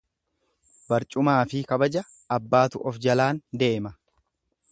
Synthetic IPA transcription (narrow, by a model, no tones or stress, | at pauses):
bɐɾt͡ʃʼʊmaːfɪkɐbɐd͡ʒɐːbːaːt̪ʊʔɔfd͡ʒɐlaːnd̪e̞ːmɐ